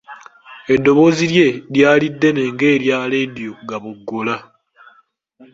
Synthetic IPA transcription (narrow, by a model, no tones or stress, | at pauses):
e̞dːo̞βo̞ziɾje̞ɾjaːlidːe̞ne̞ːŋɡe̞ːɾjaːledjoɡaβuɡːola